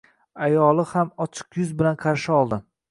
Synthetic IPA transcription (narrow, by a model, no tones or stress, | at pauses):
ajɒlˠɪhamɒt͡ʃʰɪ̥qjʊzbɪlanqʰɑɾʃɪɒlˠd̪ɪ